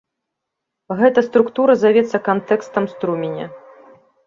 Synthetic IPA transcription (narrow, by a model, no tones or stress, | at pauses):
ɣɛt̪ɐst̪ɾukt̪uɾɐzavʲɛt̪sːɐkant̪ɛkst̪ɐmst̪ɾumʲenʲɐ̰